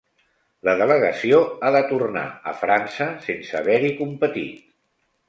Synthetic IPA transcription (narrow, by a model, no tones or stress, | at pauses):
ləðələɣəsioaðət̪urna̰ə̰fɾansəsensəβɛɾikumpət̪ḭt̪